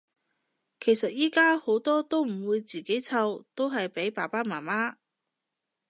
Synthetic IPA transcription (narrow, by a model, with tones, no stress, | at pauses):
kʰe˨˩jsɐ˨t̚jiː˥kaː˥ho˨˥wt̪ɔː˥t̪o˥wm̩˨˩wuː˨˧jt͡siː˨ke˨˥jt͡sʰɐ˧wt̪o˥wɦɐ˨jpe˨˥jpaː˨˩paː˥maː˨˩maː˥